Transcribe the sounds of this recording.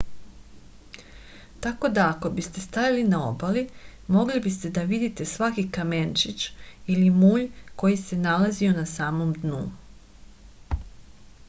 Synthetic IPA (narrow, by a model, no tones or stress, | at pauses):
t̪ako̞d̪aːko̞bist̪e̞st̪ajalinao̞̰bali | mo̞ɡlibist̪e̞d̪aʋid̪it̪e̞sʋakikament͡ʃit͡ʃilimuːʎko̞jise̞nalazio̞nasaːmo̞md̪nu